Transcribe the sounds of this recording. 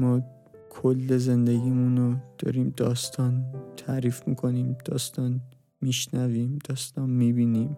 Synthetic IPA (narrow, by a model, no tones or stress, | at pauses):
mɒː | kʰolːezend̪eɡiːmunod̪̥ɒ̰ːɾiːmd̪ɒːst̪ʰɒːnt̪ʰæːɾiːfmḭːkʰo̞niːmd̪̥ɒːst̪ɒːn | miʃnæviːmd̪̥ɒːst̪ɒːnmiːbiːniːm